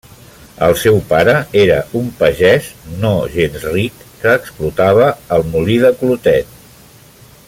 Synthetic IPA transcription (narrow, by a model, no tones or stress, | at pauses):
ə̰lˠsɛwpaɾəeɾə̰umpəʒɛznoʒenzrikːəːksplut̪aβ̞əːlˠmuliðəklut̪ɛt̪̚